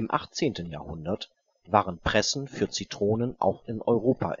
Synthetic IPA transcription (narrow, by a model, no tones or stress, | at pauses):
ɪmʔa̰χt͡seːntən̩ja̰ːɐhʊ̰ndɐt | vaːʁənpʁ̥ɛsn̩fyːɐt͡sitʁ̥oːnənʔa̰ʊxɪnʔɔʏʁoːpʰa̰